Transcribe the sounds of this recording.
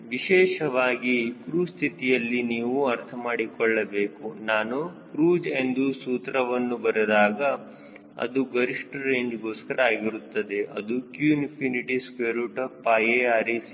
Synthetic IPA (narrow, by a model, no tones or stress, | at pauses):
ʋiʃɛːʃɐʋaːɡikɾuːst̪ʰit̪ijɐlːiniːʋuɐɾt̪ʰɐmaːɽikɔɭːɐbe̞ːkunaːnukɾuːd͡ʒe̞nd̪usuːt̪ɾɐʋɐnːubɐɾɐd̪aːɡɐ | ɐ̰d̪uɡɐɾiʂʈɾeːɲd͡ʒɡoːskɐɾɐaːɡiɾut̪ːɐd̪e̞ʔɐ̰d̪ukjuinpʰiniʈiskeːɾuʈɐpaːjeaːɾis